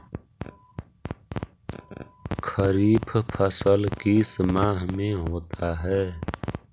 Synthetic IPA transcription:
kʰəɾiːpʰpʰəsəlkismaːɦmẽɦoːt̪aɦɛː

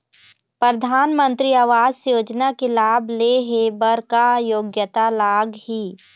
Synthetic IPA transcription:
pɾəd̪ʱaːnmə̃nt̪ɾiaːʋaːzsjoːd͡ʒnakelaːbleɦebəɾkajoːɡjət̪alaːɡhi

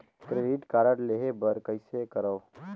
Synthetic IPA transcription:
kɾeɖiʈkaːɾəɽleɦebəɾkəɪsekəɾəː

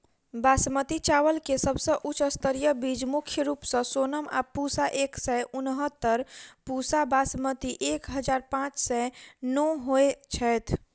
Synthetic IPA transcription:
basmət̪it͡ʃaʋəlkesəbsə̃ʔut͡ʃəst̪əɾjəbid͡ʒmukʰjəɾupsə̃sonəma̰pusaʔeksɛʔʊnɦət̪ːəɾpusabasmət̪iʔekɦəd͡ʒaːɾpãt͡ʃsɛnɔɦoet͡ʃʰɛjt̪ʰ

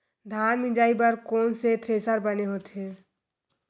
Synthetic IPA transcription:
d̪ʱanmĩd͡ʒaibəɾkonset̪ʰɾesəɾbəneɦot̪e

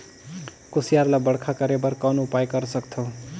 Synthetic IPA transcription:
kosijarlabʌɽkʰakʌɾebʌɾkanupajkʌɾsʌkt̪ʰo

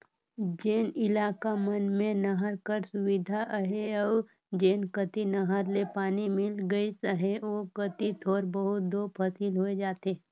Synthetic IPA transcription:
d͡ʒeːnɪlaːkamənmẽnɐɦəɾkəɾsʊʋɪd̪ʱaʔɦeɔː | d͡ʒeːnkət̪inɐɦəɾlepaːnimɪlɡəisəɦeʋokət̪it̪ʰoːɾbəɦʊt̪̚d̪oːpʰəsiːlɦoed͡ʒaːt̪e

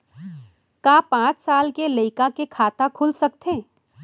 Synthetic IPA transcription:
kaːpãːt͡ʃsaːlkelɐɪkakekʰaːt̪akʰʊlsɐkt̪ʰẽː

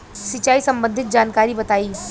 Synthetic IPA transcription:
sɪt͡ʃaːisɐ̃mbə̃nd̪ʱɪt̪̚d͡ʒaːnkaːɾibɐt̪aːiː

